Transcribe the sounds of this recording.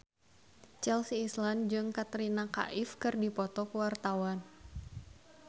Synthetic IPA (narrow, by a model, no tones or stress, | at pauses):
t͡ʃɛlsiːsland͡ʒɨŋkat̪ɾinaka̰ʔɪfkɨrdipɔt̪ɔkəwart̪awan